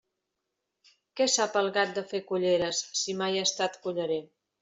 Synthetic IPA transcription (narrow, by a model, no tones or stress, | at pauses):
kɛsapəlˠɣat̪̚d̪əfekuʎeɾəsːimajəst̪at̪kuʎəɾe